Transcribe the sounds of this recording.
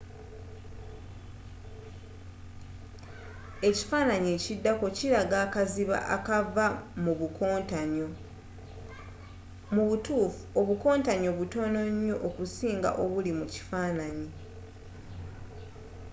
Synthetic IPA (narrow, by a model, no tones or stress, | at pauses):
e̞ci̥faːnaɲeːcidːako̞ciɾaɡaːkaziβa̰ʔa̰kavamuβuko̞ːntaɲo̞ | muβutuːfuoβuko̞ːntaɲo̞βuto̞ːno̞ɲːo̞ʔokusiːŋɡa̰ʔoβulimuci̥faːnaɲi